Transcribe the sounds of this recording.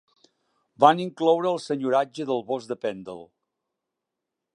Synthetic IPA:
baniŋklɔwɾəːəlˠsəɲuɾad͡ʒəðəlˠβɔzd̪əpɛnd̪ə̰lˠ

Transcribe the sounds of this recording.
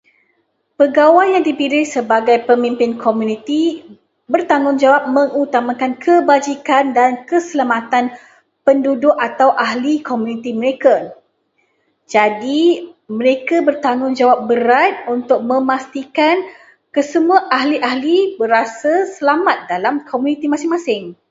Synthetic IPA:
pəɡawajjaŋdipilɪhsəbaɡajpəmĩmpɪnkʰomunĩt̪i | bərt̪aŋʊnd͡ʒawap̚mə̃ŋut̪amakankʰəbad͡ʒikandankəsəlamat̪an | pəndudʊʔat̪awʔaɦlikomũnit̪imə̃ɾeka | d͡ʒadimə̃ɾekabərt̪aŋʊnd͡ʒawap̚bəɾat̪̚unt̪ʊk̚mə̃mast̪ikan | kəsəmuaʔaɦliʔahlibəɾasasəlamat̪̚dalamkʰomunĩt̪imasɪŋmasɪŋ

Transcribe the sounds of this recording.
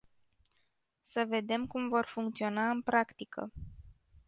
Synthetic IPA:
səve̞d̪e̞mkumvo̞rfuŋkt̪sio̞naɨnpɾakt̪ikə̰

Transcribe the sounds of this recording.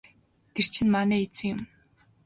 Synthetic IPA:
t̪ʰer̥t͡ɕʰɪ̆nmanɛːet͡sɘ̆ŋjʊ̆m

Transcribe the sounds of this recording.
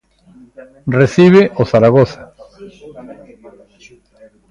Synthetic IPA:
reθiβeʔoθaɾaɣoθḁ

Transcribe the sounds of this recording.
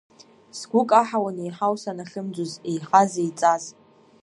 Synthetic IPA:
sɡʷʊkʼaħawanejħawsanaχʲɨmd͡zʷozejħazejt͡sʼaz

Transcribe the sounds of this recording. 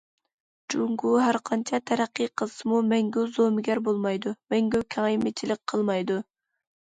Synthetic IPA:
d͡ʒuŋɡuɦæɾqʰɑnt͡ʃʰɑt̪ʰɛɾæqːɨjqʰəsmumɛŋɡʲøwzomɪɡʲɛɾbolˠmɑjd̪umɛŋɡʲøwkʲʰɑŋjmet͡ʃʰilɪk̚ʲqʰəlˠmɑjd̪u

